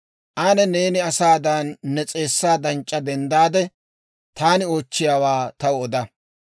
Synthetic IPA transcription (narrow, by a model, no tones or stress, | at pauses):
ʔaːnɛne̞ːnɪɐsaːd̪anːɛt͡sʼe̞ːsːaːd̪ɐnt͡ʃʼːɐd̪ɛnd̪aːd̪ɛ | t̪aːnɪo̞ːt͡ʃːɪjaːwaːt̪ɐwʊɔd̪ɐ